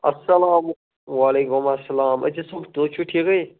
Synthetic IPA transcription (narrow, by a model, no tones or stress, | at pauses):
ɐ̰sːɐlaːm | waːleːkʊmɐsːɐlaːmɐ̰d͡ʑisokd̪ot͡ʃʰuʈʰikɐj